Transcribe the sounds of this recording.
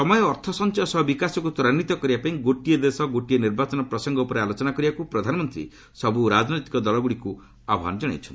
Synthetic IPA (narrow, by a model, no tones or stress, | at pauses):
sɔmɔjɔːɾt̪ʰɔsɔnt͡ʃɔɔsɔɦbikasɔkut̪uɾanːit̪ɔkɔɾibapaĩɡoʈied̪esɔɡoʈieniɾbat͡ʃɔnɔpɾɔsɔŋɡɔupɔɾealot͡ʃɔnakɔɾibakupɾɔd̪ʱanɔmɔnt̪ɾḭ | sɔbuɾad͡ʒɔnɔjt̪i̥kɔd̪ɔlɔɡuɽiku | abʱɔɦa̰nɔd͡ʒaɽ̃ḛt͡ʃʰɔni